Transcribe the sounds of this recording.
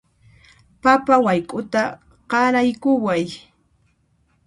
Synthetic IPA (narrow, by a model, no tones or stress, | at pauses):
papawajkʼʊt̪a | qɑɾajkʊwaj